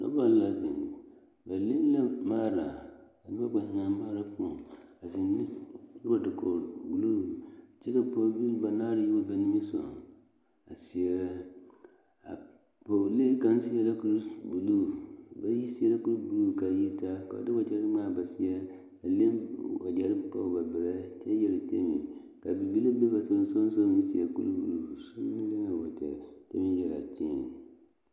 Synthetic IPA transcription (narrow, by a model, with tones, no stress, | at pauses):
nɔ̰˦ba˨la˨zɪ̰˨ | ba˨le˦n˦la˦maː˦ɾa˨ | nɪ˦a˦ɡ͡ba˨hɪ̃˨ŋa˨˦maː˦ɾa˨pu˦ɔ˨a˨zɪ˨nːɪ˦ba˨dɪ˨kɔ˨ɾɡu˨lo˦ɾt͡ʃɛ˦ka˨pɔ˦bi˦ba˨naː˦ɾɪ˨˦ji˦wo˨bɛ˨nĩ˦mi˦sɔ̰˨ | a̰˨si˨ɛ˦ɾ | a̰˨ | bo˨le˦kã˨n˦si˦ɛ˦la˦ku˦ɾi˦bu˨lu˦˨ba˦ji˦si˦ɛ˦la˦ku˦lbu˨luː˦˨ka˨ji˦ta˦ka̰˨a̰˨dɪ˦wa˨d͡ʒɛ˦ɾɪ˦maː˦˨ba˨si˦ɛ˦ | a˨le˦mwa˨d͡ʒɛ˦ɾɪ˦pɔ̰˦˨ba˨bɪ˨ɾɛ˦t͡ʃɛ˦jɛ˦ɾɪ˨te˦mḭ˨ | ka˨bi˨bi˦le˦be˦ba˨tɪ˨ɪ˦sɔ˦n˦so˦m˦i˦si˨ɛ˨kṵ˦lbu˨lu˦su˦nɪ˦le˦ŋa˨wɔ˨t͡ʃɛ̰˨tḛ˦mi˦jɛ˦˨ɾa̰˨t͡ʃi˦˨